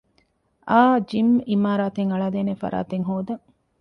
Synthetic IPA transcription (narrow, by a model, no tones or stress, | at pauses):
ʔaːd͡ʒimimaːɾaːt̪eŋɐɭaːd̪eːnefɐ̰ɾa̰ːt̪eŋɦoːd̪ɐŋ